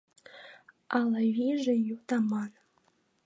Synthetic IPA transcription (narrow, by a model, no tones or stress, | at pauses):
ɑlˠɑβʲiʒejut̪ɑmɑn